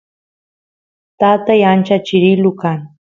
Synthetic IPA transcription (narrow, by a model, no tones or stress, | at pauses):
t̪at̪ajant͡ʃat͡ʃɪɾɪlʊkaŋ